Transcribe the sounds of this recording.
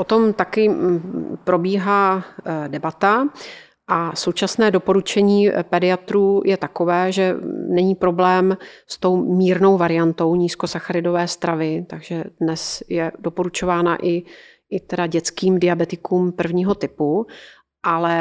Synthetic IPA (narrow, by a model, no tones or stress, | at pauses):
ʔot̪o̞mt̪akɪ | pɾo̞biːɦaːdɛbat̪a | ʔaso̞wt͡ʃasnɛːdo̞po̞ɾut͡ʃɛɲiːpɛdɪat̪ɾuːjʔɛt̪ako̞vɛːʒɛnɛɲiːpɾo̞blɛːmst̪o̞wmiːɾno̞wvaɾɪjant̪o̞wɲiːsko̞saxaɾɪdo̞vɛːst̪ɾavɪt̪aɡʒɛdnɛsjɛdo̞po̞ɾut͡ʃo̞vaːna̰ʔɪ | ʔɪt̪ɛdaɟɛt͡skiːmdɪabɛt̪ɪkuːmpr̩vɲiːɦo̞t̪ɪpu | ʔalɛ